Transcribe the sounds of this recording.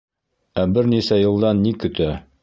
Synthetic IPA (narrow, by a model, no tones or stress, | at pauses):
æbɘɾnisæjɤ̆lˠd̪ɑnːikɵ̆t̪æ